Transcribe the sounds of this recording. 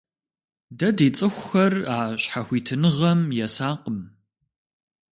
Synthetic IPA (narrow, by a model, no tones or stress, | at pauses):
dɐdeːt͡sʼɨxʷʊxɐraːɕħaxʷiːtʰɨnɨʁɐmjɛsaːqəm